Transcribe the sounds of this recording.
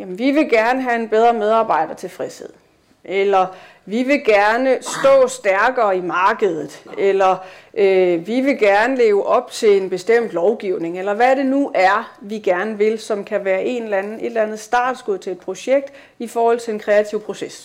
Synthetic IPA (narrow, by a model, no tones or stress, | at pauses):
jæmn̩ʋiʋe̝ɡ̥æɐnəɦæe̝nb̥eð̞ˠʁɐmeð̞ˠɑ̈ːb̥ɑ̈ɪ̰ɾ̥ɐt͡sʰe̝lfʁɛshe̝ð̞̰ˠ | ʔelɐ | ʋiʋe̝ɡ̥æɐnəsd̥ɔ̰̽ːsd̥æɐɡ̥ɐːimɑ̈ːɡ̥əð̞̩ˠð̩ˠelɐʔøʋiʋe̝ɡ̥æɐnəle̝ːʊəʔɒ̽b̥̚t͡sʰe̝le̝nb̥e̝sd̥em̰d̥lɒʊɡ̥iʊne̝ŋelɐʋæɾe̝nuʔæɐʋiɡ̥æɐnəʋe̝lsɒ̽mkʰæʋæːɐʔe̝̰nlænð̩ˠe̝d̥lænð̩ˠsd̥ɑ̰̈ːd̥sɡ̥uð̰ˠt͡sʰe̝le̝d̥̚pʰʁo̝ɕeɡ̥̚d̥ | ifɒːhɒ̽l̰t͡sʰe̝enkʰʁɛæt͡sʰiʊ̰pʰʁo̝ses